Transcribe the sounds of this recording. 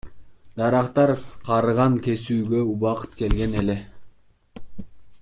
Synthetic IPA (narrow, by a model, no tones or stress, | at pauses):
d̪ɑɾɑqt̪ɑɾqʰɑɾɯʁɑŋke̞syːɡø̞uβɑqɯ̥t̪ke̞lɡe̞nele